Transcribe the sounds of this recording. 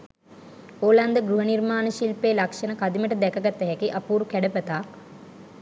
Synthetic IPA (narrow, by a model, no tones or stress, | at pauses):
oːland̪əɡɾuɦənirmaːnəʃilpeːlakʂənəkad̪iməʈəd̪ɛkəɡat̪ːəɦɛkiʔɐpuːɾukæɖəpət̪aːk